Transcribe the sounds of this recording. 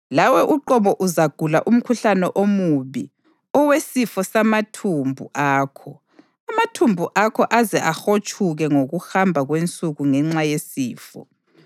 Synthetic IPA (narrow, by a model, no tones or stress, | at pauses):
lawɛʔuǃɔβɔʔuzaɡ̥ʱulaʔum̩kʰuɬanɛʔomuβi | ɔwesifɔsamatʰumbʱṵʔaːkʰɔ | amatʰumbʱuʔakʰɔʔazɛʔaxot͡ʃʼʰuɣɛŋoɣuhambʱaɣwent͡sʼuɣuŋɛŋ͡ǁajesiːfɔ̰